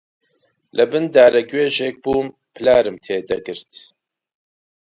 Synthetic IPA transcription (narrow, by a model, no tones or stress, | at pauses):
lʔɨbɨnd̪aːɾɛɡweːʒeːk̚buːm | pʰɨlaːɾɨmt̪ʰeːd̪ɐɡɨɾt̪